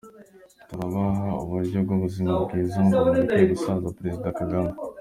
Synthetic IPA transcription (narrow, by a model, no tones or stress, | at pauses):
t̪uɾaβaɦauβuɾɟoɡoβuzimaɡizomuanikoɡusazapɾe̞zid̪akaɡama